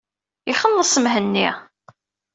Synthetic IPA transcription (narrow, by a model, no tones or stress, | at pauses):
iχənːəsˤəmɦənːi